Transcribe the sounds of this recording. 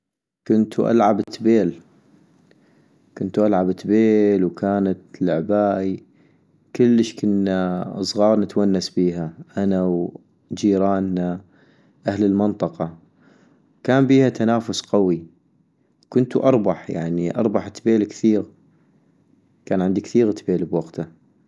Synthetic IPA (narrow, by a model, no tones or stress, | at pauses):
kʊnt̪uʔa̰lʕabɪt̪ːbeːl | kʊnt̪uʔalʕabɪt̪beːlwkaːnat̪lʕbaːʔi | kʊlːəʃkʊnːasˤɣɑːɾˤnət̪wanːasbiːɦaʔanaw | d͡ʒiːɾɑːna | ʔahləlmɪnt̪ˤɑqɑ | kaːmbiːhat̪anaːfʊsqawi | wkʊnt̪uʔɑɾˤbɑħja̰ʕniʔɑ̰ɾˤbɑħt̪ːbeːlkθiːɣ | kaːnʕɪnd̪ikθiːɣt̪beːlbwaɡt̪a